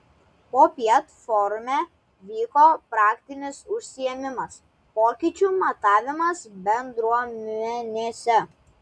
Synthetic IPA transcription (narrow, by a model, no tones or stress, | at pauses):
poːpʲɛt̪fɔɾmʲe | ʋʲiːkoːpɾɑːkt̪ʲɪnʲɪsʊʃʲsʲɪjɛmʲɪmɐs | poːkʲɪt͡ʃʲumɐt̪ɑːʋʲɪmɐsbʲɛnd̪ɾuɔmʲɛnʲeːsʲɛ